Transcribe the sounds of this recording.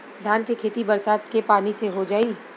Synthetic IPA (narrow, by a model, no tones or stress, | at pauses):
d̪ʱjaːnkekʰeːt̪ibɐɾsaːt̪kepaːniseɦod͡ʒaːiː